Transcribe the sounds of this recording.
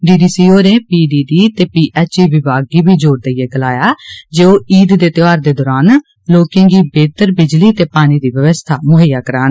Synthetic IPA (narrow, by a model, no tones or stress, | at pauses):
ɖiːɖiːsiːoːɾẽːpiːɖiːɖiːt̪eːpiːʔɛːt͡ʃiːʋɪbaːɡiːbiːd͡ʒoːɾd̪əieːɡəlaːjaːd͡ʒeːoːiːd̪d̪eːt̪ɪʋaːɾd̪eːd̪ɔːɾaːn | loːkẽːɡiːbeːt̪əɾbɪd͡ʒliːt̪eːpaːñiːd̪iːʋəʋəst̪ʰaːmʊɦəjaːkəɾaːn